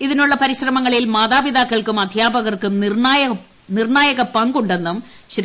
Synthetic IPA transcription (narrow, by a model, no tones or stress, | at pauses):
iðinuɭːɐpɐɾiɕrɐmɐŋːɐɭilmaːðaːbiðaːkːɐɭkumɐd̪ʱjaːbɐɣɐrkumnrnaːjɐ | nirɳaːjɐɣɐpɐŋɡuɳɖe̞nːum | ɕɐɾ